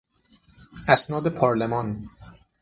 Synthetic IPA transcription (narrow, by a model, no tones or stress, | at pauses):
ʔæsnɒːd̪e̞pʰɒːɾlemɒːn